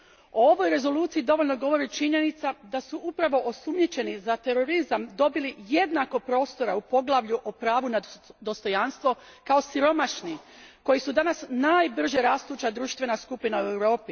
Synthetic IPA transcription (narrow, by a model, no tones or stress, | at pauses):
oo̞ʋo̞jɾe̞zo̞luːt̪siid̪o̞ʋo̞ʎʲno̞ɡo̞ʋo̞ɾit͡ʃiɲe̞nit̪sad̪asuʔupɾaʋo̞ʔo̞sumɲet͡ɕe̞nizat̪e̞ɾo̞ɾizamd̪o̞bilije̞d̪nako̞pɾo̞ːst̪o̞ɾaupo̞ɡlˠaʋʎuʔopɾaːʋunad̪o̞st̪o̞janst̪ʋo̞ | kao̞siɾo̞maʃni | ko̞jisud̪anasnaːjbr̩ʒe̞ɾast̪uːt͡ɕad̪ɾuʃt̪ʋe̞naskupinaue̞wɾo̞ːpi